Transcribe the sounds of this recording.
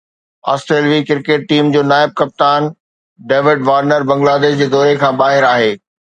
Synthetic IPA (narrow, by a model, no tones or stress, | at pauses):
a̰ːsʈɾeːlʋikɪɾkeːʈ̚ʈiːmd͡ʑoːnaːɪb̚kɐp̚t̪aːn | ɖeːʋɪɖʋaːɾnəɾbɐ̃ŋɡlaːd̪eːʃd͡ʑeːd̪ɔːɾekʰãːbaːɦɪɾaːɦeː